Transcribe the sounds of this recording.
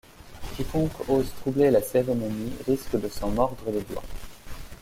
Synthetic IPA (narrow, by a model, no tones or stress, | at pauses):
kʲikɔ̃kozt̪χublelaseʁemɔniʁiskəd̪əsɑ̃mɔʁd̪ʁəled̪wa̰